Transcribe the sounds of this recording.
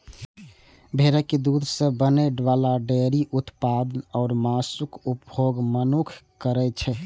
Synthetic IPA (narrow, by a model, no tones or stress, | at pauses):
bʱeɾəked̪ud̪ʱsə̃bəneɖʋalaɖeɾiʔut̪pad̪ənɔːɾmasukupbʱoɡmənukʰkəɾɛt͡ʃʰɛ